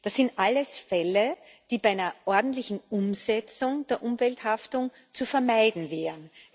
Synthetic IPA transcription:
d̥asːɪntʔalːəsfɛlə | d̥iːbaɪnɐʔɔɐdn̩tlɪçn̩ʊmzɛt͡sʊŋd̥eːɐʔʊmvɛlthaftʊŋ | t͡sufɛɐmaɪdn̩vɛːʁən

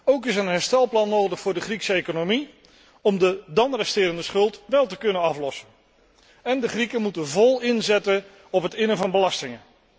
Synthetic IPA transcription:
owkɪsənɦɛɹstɛlˠplɑnːowdəχfʊːɹdəχriksəejkonomi | ɔmdədɑnrɛstɪːɾəndəsχɵlˠtʋɛlˠtəkɵnənɑflɔsən | ɛndəχrikəmutənvɔlˠɪnzɛtən | ɔpɦətɪnəvɑnbəlɑstɪŋən

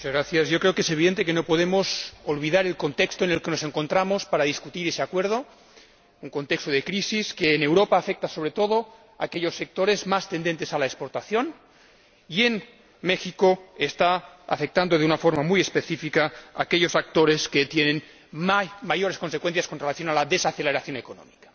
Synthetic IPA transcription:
mut͡ʃazɣɾaθjazjo̞kɾe̞okeseβiðent̪̬ekeno̞poðemosolβiðaɾelko̞nt̪ekst̪oenelkenose̞ŋko̞nt̪ɾamospaɾaðiskut̪iɾeseakweɾð̞o | uŋko̞nt̪ekst̪oðekɾisiskeːnewɾopaːfek̚t̪aso̞βɾet̪o̞ð̞o | akeʎo̞sːe̞k̚t̪oɾezmast̪e̞nd̪e̞nt̪esalaekspoɾt̪aθjo̞n | ien | mexikoest̪aa̰fek̚t̪and̪oðeunafoɾmamujespeθifikaa̰keʎosak̚t̪oɾesket̪jenen | maʝoɾeskonsekwenθjaskonrelaθjo̞nalaðesaθeleɾaθjo̞nekono̰mikḁ

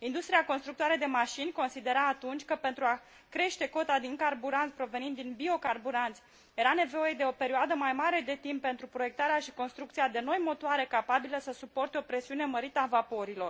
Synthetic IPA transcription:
ind̪ust̪ɾiako̞nst̪ɾuk̚t̪oaɾed̪e̞maʃinʲko̞nsid̪e̞ɾaːt̪unt͡ʃʲkəpe̞nt̪ɾua | kɾe̞ʃt̪e̞ko̞t̪ad̪iŋkarbuɾansʲpɾo̞ve̞nind̪ːinbio̞karbuɾant̪sʲ | je̞ɾane̞vo̞je̞d̪e̞o̞pe̞ɾioad̪əmajmaɾe̞d̪e̞t̪impːe̞nt̪ɾupɾo̞je̞k̚t̪aɾeaʃi̥ko̞nst̪ɾuk̚t̪siad̪e̞no̞jmo̞t̪oaɾe̞kapabiləsəsupo̞rt̪eo̞pɾe̞siune̞məɾit̪əavapo̞ɾilo̞r

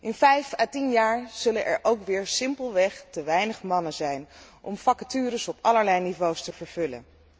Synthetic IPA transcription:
ʔɪnvɛjfaːtinjaːɹz̥ɵlənʔɛ̰ɹʔowkʋɪːɹsɪmpəlˠʋɛχtəʋɛjnəχmɑnəzɛjnʔɔmfɑkatyːɾəsɔpɑləɹlɛjnivowstəvəɹv̥ɵlə̰n

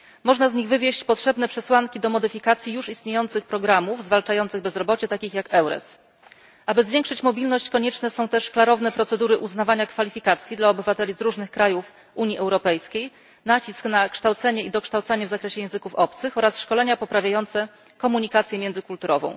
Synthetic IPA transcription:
mɔʐnazɲiɣvɘvʲjeɕt͡ɕpɔtʂɛbn̪ɛpʂɛswaŋkʲid̪ɔmɔd̪ɘfʲikat̪sʲjijuʂist̪ɲejɔnt̪sɘxpɾɔɡɾamuvzvalt͡ʂajɔnt̪sɘɣbɛzɾɔbɔt͡ɕɛt̪akʲixjakɛwɾɛ̰s | ʔabɘzvʲjeŋkʂɘt͡ɕmɔbʲilnɔɕt͡ɕkɔɲɛt͡ʂnɛsɔ̃w̃t̪ɛʂklaɾɔvnɛpɾɔt̪sɛd̪uɾɘʔuznavaɲakfalʲifʲikat̪sʲjid̪laɔbɘvat̪ɛlʲizɾuʐnɘxkɾajuf | uɲjiʔɛwɾɔpɛjskʲej | nat͡ɕisknakʂt̪awt̪sɛɲɛid̪ɔkʂt̪awt̪saɲɛvzakɾɛɕɛjɛ̃w̃zɘkufɔp̚t̪sɘxɔɾasʂkɔlɛɲapɔpɾavʲjajɔnt̪sɛ | kɔmuɲikat̪sʲjɛmʲjɛndzɘkult̪uɾɔvɔ̰̃w̃

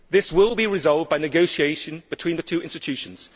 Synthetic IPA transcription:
ðɪswɪlˠbiɹɪzɒlˠvbaɪnɪɡoʊʃieɪʃə̃nb̥ɪtʰw̥ĩːnðətʰʉːɪ̃nstɪtʰʉˑʃə̃nz̥

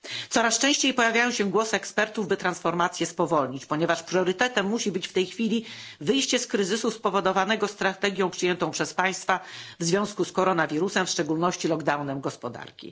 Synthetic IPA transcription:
t̪sɔɾast͡ʂɛ̃ɕt͡ɕejpɔjavʲjajɔ̃w̃ɕɛɡwɔsɨɛkspɛɾt̪uvbɘt̪ɾansfɔɾmat̪sʲjɛspɔvɔlɲit͡ɕpɔɲɛvaʂpɾʲɔɾɘt̪ɛt̪ɛmːuɕibɘt͡ɕft̪ɛjxfʲilʲivɘjɕt͡ɕɛskɾɘzɘsuspɔvɔd̪ɔvanɛɡɔst̪ɾat̪ɛɡʲjɔ̃w̃pʂɘjɛnt̪ɔ̃w̃pʂɛspaj̃st̪favzvʲjɔ̃w̃skuskɔɾɔnavʲiɾusɛmfʂt͡ʂɛɡulnɔɕt͡ɕilɔɡd̪awnɛmɡɔspɔd̪a̰ɾkʲḭ

